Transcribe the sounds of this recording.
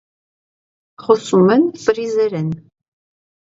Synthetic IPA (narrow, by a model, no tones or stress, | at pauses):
χʷɔsumɐnfʼɨriːzɐɾɐn